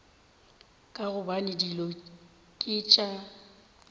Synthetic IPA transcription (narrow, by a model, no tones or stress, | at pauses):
kʼaɣʊbanɪdilɔ | kʼɪt͡ʃʼa